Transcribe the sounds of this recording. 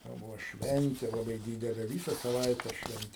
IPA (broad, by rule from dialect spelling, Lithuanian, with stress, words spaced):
jɛʊ ˈbʊʋoː ˈʃʲʋʲɛnʲtʲeː lˠɐˈbɐɪ ˈdʲiːdʲɛlʲeː ˈʋʲiːsɐ sɐˈʋɐɪtʲæː ˈʃʲʋʲɛnʲtʲeː